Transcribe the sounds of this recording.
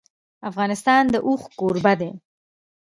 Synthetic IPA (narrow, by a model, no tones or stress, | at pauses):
afɣɑnɪst̪ɑnd̪əʔuxkoɾbad̪e